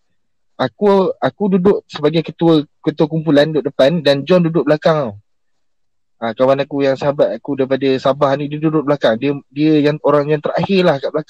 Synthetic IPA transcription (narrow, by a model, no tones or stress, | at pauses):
akuakududʊʔsəbaɡajkət̪uəkət̪uəkumpulandʊʔdəpandand͡ʒɔndudʊʔ̚blakaŋ | akawanakujaŋsəɦabat̪̚akudaɾipadəsabahnidiədudʊʔ̚blakaŋdiədiəjaŋoɾaŋjaŋt̪əɾahɪrlahkaʔblaka